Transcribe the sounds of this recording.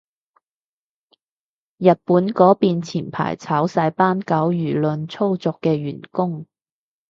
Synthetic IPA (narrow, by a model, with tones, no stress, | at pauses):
jɐ˨t̚puː˨˥nkɔː˨˥piː˨˧nt͡sʰiː˨˩npʰa̰ː˨˩jt͡sʰaː˨˥wsɐ˧jpaː˥nkɐ˨˥wjyː˨˩lɵ˧nt͡sʰo˥wt͡sɔː˨kːɛː˧ɥyː˨˩nkʊ˥ŋ